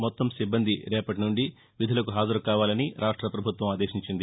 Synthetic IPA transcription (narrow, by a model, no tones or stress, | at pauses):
mɔt̪ːɐmsibːɐnd̪ʱiɾɛːpɐʈinuɳɖi | ʋid̪ʱulɐkuɦaːd͡ʒɐɾukaːʋaːlɐniɾʔaːʂʈɾɐpɾɐbʱut̪ʋɐmaːd̪eːʃiɲt͡ʃind̪i